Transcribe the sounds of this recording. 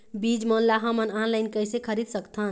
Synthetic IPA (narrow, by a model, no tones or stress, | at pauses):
bid͡ʒmɔnlaɦəmənanlajnkəjsekʰəɾid̪̚səkt̪ʰɦən